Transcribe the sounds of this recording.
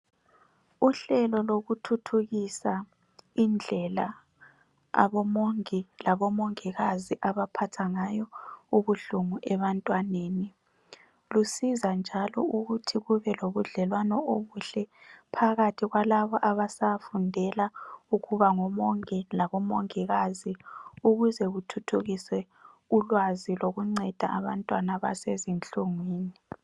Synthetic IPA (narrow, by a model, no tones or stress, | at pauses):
uɬɛlɔloɣutʰutʰuɣisa | ind͡ɮʱɛla | a̰βɔmoŋilaβɔmoŋiɣaziʔaβapʰatʰaŋajɔuβuɬuŋuʔɛβantʼwaneːni | lusizand͡ʒʱalɔ̰uɣutʰiɣuβɛloβuɮɛlwanɔoβuɬɛpʰaɣatʰiɣwalaβɔʔaβasafundʱɛlauɣuβaŋɔmɔŋɛlaɣɔmɔŋiɣaziuɣuzɛɣutʰutʰuɣisɛ | ulwaziloɣuŋ͡ǀɛd̥ʱaʔaβantʼwanaβa̰sezint͡ɬʼuŋwiːni